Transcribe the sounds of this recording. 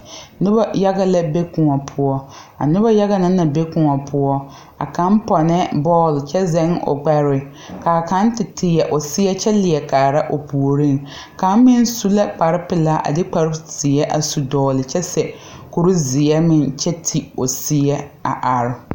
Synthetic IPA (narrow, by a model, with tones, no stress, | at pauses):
nʊ˦ba˦ja˦ɣa˦la˦be˦kʊ˨ŋɔ˨pʰʊ˦ɔ˦a̰˨nʊ˦ba˦ja˦ɣa˦na˦na˨be˦kʊ˨ŋɔ˨pʰʊ˦ɔ˦ | a̰˨ka˨˦m˦pɔ˨nɛ˦bɔː˦˨lt͡ʃɛ˦zɛ˦ŋo̰˨ɡ͡ba˦ɾɪ˨ | ka˨ka˦n˦tɪ˨tʰɪ˨jɛ˨ʔo˨sɪ˦ɛ˦t͡ʃɛ˦lɪ˨ɛ˨kaː˨ɾa˦ʔo˨pʰu˨o˨ɾi˦˨ŋ | ka˨˦m˦mɪ˦n˦su˦la˦k͡pa˨ɾɪ˦pɪ˨laː˦ʔa̰˨dɪ˦k͡pa˨ɾɪ˦z̥ɪ˨ɛ˦ʔa˨su˨dɔː˨lɪ˨t͡ʃɛ˦sɛ˨ | ku˨ɾu˦zɪ˨ɛ˦mɪ˨nt͡ʃɛ˦tʰi˨o˨sɪ˦jɛ˦a̰˨ʔa˨ɾɪ˦˨